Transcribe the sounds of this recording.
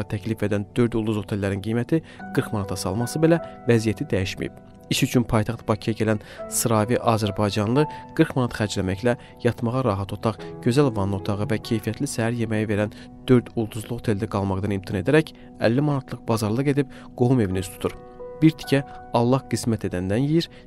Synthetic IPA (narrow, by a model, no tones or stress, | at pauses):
ɑt̪ʰæclife̞d̪ænd̪ø̞ɾd̪ulˠd̪uzhot̪ʰelːæɾinɡijmæt̪ʰiɡ̥ɯɾkmɑnɑt̪ʰɑsɑlˠmɑsɯbe̞lævæzijæt̪ʰid̪æjiʃmḭjḭb̥ | iʃyt͡ʃʰynpʰɑjt̪ʰɑχt̪b̥ɑcʰijɑɟælæn | sɯɾɑːviʔɑːzæɾbɑjd͡ʒɑnlˠɯɡ̥ɯɾkmɑnɑt̪χæɾd͡ʒlæmæçlæ | jɑt̪ʰmɑʁɑɾɑːɦɑt̪ʰo̞t̪ʰɑχɟø̞zælvɑnːo̞t̪ʰɑʁɯvæcʰe̞jfijæt̪ʰlisæɦæɾje̞mæjive̞ɾæn | d̪̥ø̞ɾd̪ulˠd̪uzlˠuɣo̥t̪ʰe̞ld̪æɡɑlˠmɑqd̪ɑnimt̪ʰine̞d̪æɾæc | æ̰lːimɑnɑt̪ʰlˠɯqbɑzɑɾlˠɯɡe̞d̪ib̚ | ɡ̥oɦume̞vinist̪ʰu̥t̪uɾ | biɾt̪ʰi̥cʰæɑlˠːɑhqismæt̪ʰe̞d̪ænd̪ænjijiɾ